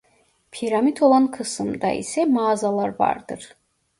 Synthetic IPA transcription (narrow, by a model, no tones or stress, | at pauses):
pʰiɾamit̪ʰo̞lˠankʰɯsɯmd̪a̰ḭsɛmaːzalˠaɾva̰ɾd̪ɯɾ̥